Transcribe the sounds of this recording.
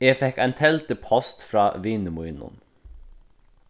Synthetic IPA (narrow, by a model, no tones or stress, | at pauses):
eːfɛkæɪnt̪ʰɛlt̪əpʰɔst̪fɾɑːʋiːnəmuɪnʊ̰n